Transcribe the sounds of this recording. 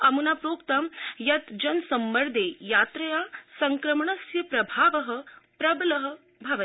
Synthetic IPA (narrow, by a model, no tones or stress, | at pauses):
ɐmunaːpɾoːkt̪ɐmjɐt̪d͡ʒɐnsɐmːɐɾd̪ʱeːjaːt̪ɾɐjaːsɐŋkɾɐmɳɐsjɐpɾɐbʱaːʋɐɦɐ̆pɾɐbɐlɐɦɐ̆ | bʱaːʋɐ